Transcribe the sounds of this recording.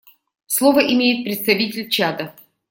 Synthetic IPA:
slˠovəʔɪmʲejɪt̪̚pɾʲɪt̪st̪ɐvʲitʲɪlʲt͡ɕad̪ə

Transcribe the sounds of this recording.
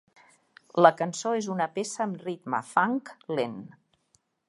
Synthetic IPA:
ləkənsoezunəpesəːmrit̪mə̰faŋklen

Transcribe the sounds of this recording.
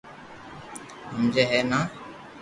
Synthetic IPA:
ɦəmd͡ʒeːɦɛːnaː

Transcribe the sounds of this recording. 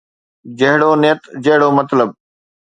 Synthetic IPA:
d͡ʒəɦɪɽoːnɪːt̪d͡ʑəɦɪɽoːmət̪ləb̚

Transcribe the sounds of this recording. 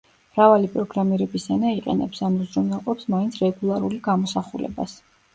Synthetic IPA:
mɾavalipʼɾɔɡɾamiɾɛbisanaiqʼɛ̰nɛpsamuzɾɔnaqʼɔpsmaint̪sʰɾɛɡulˠaɾuliɡamɔsaχulɛ̰ba̰s

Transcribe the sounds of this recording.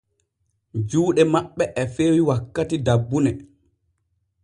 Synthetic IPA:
d͡ʒuːɗɛmaɓːɛʔɛfeːwiwakːatidabːunɛ

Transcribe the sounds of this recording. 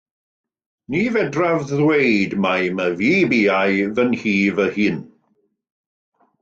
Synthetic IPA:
nivɛdravðwejdmajməviːbiːajðənhiːvəhɨːn

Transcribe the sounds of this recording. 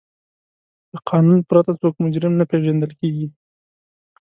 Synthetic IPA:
d̪̥əqʰɑnunpɾat̪at͡sokmʊd͡ʒɾɪmnapeʒand̪əlkeɡi

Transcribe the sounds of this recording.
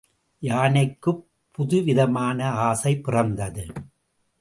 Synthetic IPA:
jaːnɐɪkːɯ | pʰːʊðɯʋɪðɐmaːnɐaːsɐɪpːɪrɐnd̪ɐðɯ

